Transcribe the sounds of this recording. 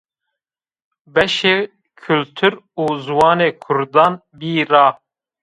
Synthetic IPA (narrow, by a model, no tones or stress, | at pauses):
bɛʃeː | kʰʊlt̪ʰuɾuːzwɑːneːkʰʊɾd̪ɑːn | biːɾɑː